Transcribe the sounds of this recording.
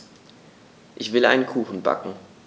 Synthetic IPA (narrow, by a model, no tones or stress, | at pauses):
ʔɪçv̥ɪlʔa̰ɪnənkʰuːxn̩ba̰kŋ̩